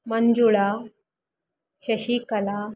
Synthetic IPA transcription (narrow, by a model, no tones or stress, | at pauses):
mənd͡zuɭa | ɕɐɕikɐla